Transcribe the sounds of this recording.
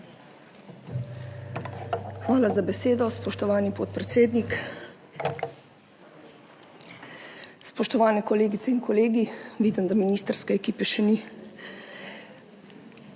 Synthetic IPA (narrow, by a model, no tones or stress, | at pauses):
xʋaːlazabɛseːd̪ɔspɔʃt̪ɔʋaːnipot̪̚pɾɛt̪seːd̪nik | spɔʃt̪ɔʋaːnɛkɔleːɡit̪ɛinkʰɔleːɡiʋiːd̪ənd̪aminiːst̪əɾskɛɛkiːpɛʃɛni